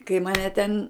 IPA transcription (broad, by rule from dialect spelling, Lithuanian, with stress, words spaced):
kɐɪ mɐˈnʲɛ tʲɛn